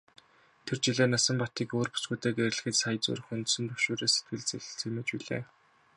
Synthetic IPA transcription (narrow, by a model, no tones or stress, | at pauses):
t̪ʰert͡ɕiɮeːnasə̆mpɔt̪iːkoːrpu̥t͡sɡuːt̪eːɡer̆ʲɮɘ̆xɘ̆t̪sajə̆t͡sṵːɾə̆χunt̪sɵ̆nt̪ɵwʃoːɾeːse̥t̪̚ɡɘ̆ɮt͡seɮɘ̆t͡semĕt͡ɕpiɮḛː